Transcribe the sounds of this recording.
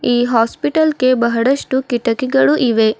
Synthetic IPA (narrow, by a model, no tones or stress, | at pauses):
iːɦaːspiʈɐlke̞bɐɦɐɽɐʂʈukiʈɐkiɡɐɭuʔiʋe